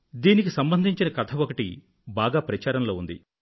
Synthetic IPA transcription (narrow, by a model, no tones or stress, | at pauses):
d̪iːnikisɐmbɐnd̪ʱiɲt͡ʃinɐkɐt̪ʰɐʋɔkɐʈḭ | baːɡaːpɾɐt͡ʃaːɾɐnlo̞ːund̪ḭ